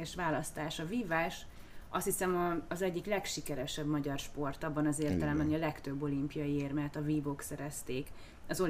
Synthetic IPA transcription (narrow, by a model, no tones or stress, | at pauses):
ɛʃʋaːlɒst̪aːʃɒviːvaːʃ | ʔɒst̪hisɛmɒːzɛɟːiklɛkʃikɛɾɛʃɛbmɒɟɒrʃpo̞rt̪ɒbːɒnɒzeːrt̪ɛlɛmbɛnɒlɛkt̪øbːo̞limpijɒjieːrmɛt̪ɒviːbo̞ksɛɾɛst̪eːk | ɒzo̞